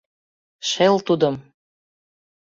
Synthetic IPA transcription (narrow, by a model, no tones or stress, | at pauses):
ʃelt̪ud̪ɤ̆m